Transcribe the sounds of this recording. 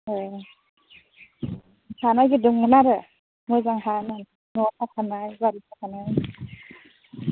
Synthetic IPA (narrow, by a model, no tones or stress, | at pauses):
ɯ | sʰanajɡɯdɯŋmɯnaɾɯ | mɯjzaŋɦanan | nɔtʰakʰanajɡaɾitʰakʰanaj